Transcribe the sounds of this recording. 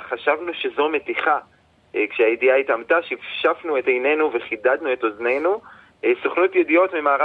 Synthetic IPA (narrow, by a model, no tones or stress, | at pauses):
χaʃavnuʃe̞zo̞me̞tiχa | kʃeajediaitamtaʃivʃafnue̞tejne̞nuve̞χidad̪nue̞to̞zne̞jnu | soχnotjedijo̞tmimaːʁa